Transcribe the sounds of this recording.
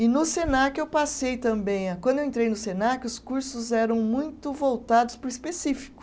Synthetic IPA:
ɪnʊsenakɪewpasejt̪ɐ̃mbẽj̃akw̃d̪ʊewẽnt̪ɾejnʊsenakɪʊskuɾsʊzɛɾɐ̃w̃mũj̃t̪ʊvowt̪ad̪ʊspʊɾispesifi̥kʊ̥

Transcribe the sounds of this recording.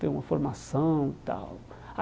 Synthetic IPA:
t̪ẽɾũmɐfoɾmasɐ̃w̃t̪a̰w | a

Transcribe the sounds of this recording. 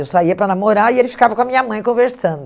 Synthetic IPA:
ewsaiɐpɾɐnamoɾaielɪfi̥kavɐkõɐmĩɲɐmɐ̃j̃kõveɾsɐ̃nd̪ʊ

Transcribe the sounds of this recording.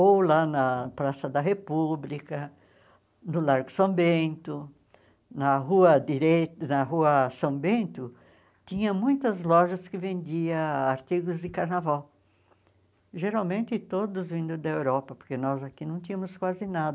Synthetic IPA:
owlanɐpɾasɐd̪ɐɦepublikɐ | nʊlaɾɡʊsɐ̃bẽnt̪ʊ | nɐɦuɐd̪iɾet̪nɐɦuɐsɐ̃bẽnt̪ʊ | t̪ĩɲɐ̃mũj̃t̪ɐzlɔʒɐskɪvẽnd͡ʒ̪iɐaɾt̪iɡʊzd̪ɪkaɾnavaw | ʒeɾawmẽnt̪ɪt̪od̪ʊzvĩnd̪ʊd̪ɐewɾɔpɐpoɾkenɔzakinɐ̃w̃t̪ĩɐmʊskwazɪnad̪ɐ

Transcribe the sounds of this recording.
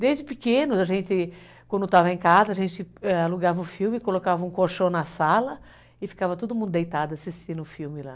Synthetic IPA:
d̪ejzd͡ʒɪpikẽnʊzaʒẽnt͡ʃɪ | kwɐ̃nd̪ʊt̪avɐẽkazɐːʒẽnt͡ʃɪɛaluɡavɐʊfiwmɪkolokavɐũkoʃɐ̃w̃nɐsalɐ | ɪfi̥kavɐt̪od̪ʊmũd̪ʊd̪ejt̪ad̪ʊɐsist͡ʃĩnʊʊfiwmɪla̰

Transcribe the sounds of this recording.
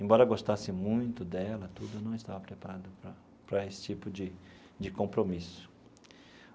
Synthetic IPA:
ẽbɔɾɐɡost̪asɪmũj̃t̪ʊd̪ɛlɐt̪ud̪ʊnɐ̃w̃ɪst̪avɐpɾepaɾad̪ʊpɾɐ | pɾɐesɪ̥t͡ʃipʊd͡ʒɪ | d͡ʒɪkõmpɾomisʊ̥

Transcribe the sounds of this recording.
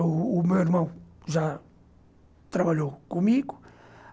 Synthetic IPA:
mewiɾmɐ̃w̃ʒa | t̪ɾɐβɐʎowkõmiɣu

